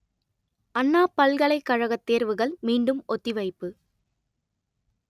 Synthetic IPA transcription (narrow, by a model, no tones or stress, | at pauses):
ɐnːaːpɐlɣɐɭɐɪkːɐɻɐɣɐt̪ːeːɾʋɯɣɐɭmiːɳɖɯmɔt̪ːɪʋɐɪpːɯ